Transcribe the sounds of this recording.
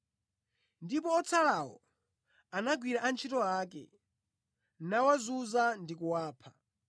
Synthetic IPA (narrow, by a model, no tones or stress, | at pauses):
ndipɔːt͡sʰalawɔ̰ | anaɡwiɾaʔant͡ʃʰitɔakɛ̰ | nawazuzandikuwaːpʰa